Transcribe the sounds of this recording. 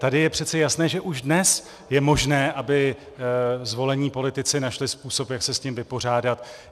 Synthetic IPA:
t̪adɪjɛpr̥ɛt̪t͡sɛjasnɛːʒɛʔuʒdnɛs | jɛmo̞ʒnɛːʔabɪ | zvo̞lɛɲiːpo̞lɪt̪ɪt͡sɪnaʃlɪspuːso̞pjaksɛscimvɪpo̞r̝aːdat̪

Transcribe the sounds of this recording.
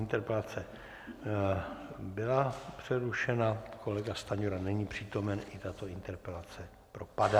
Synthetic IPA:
ɪnt̪ɛɾpɛlat͡sɛ | bɪlapr̝̥ɛɾuʃɛnakʰo̞lɛɡast̪aɲoɾanɛɲiːpr̝̥iːt̪o̞mɛnʔɪt̪at̪o̞ɪnt̪ɛɾpɛlat͡sɛ | pɾo̞pada

